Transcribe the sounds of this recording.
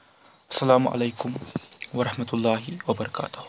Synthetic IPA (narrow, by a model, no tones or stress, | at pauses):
ʔɐ̥sːalaːmʊʔa̰lajkʊmwɑɾˤɑħmat̪ʊlˤːɑːɦɪwɐbɑɾˤɑka̰ːt̪ʊ̥h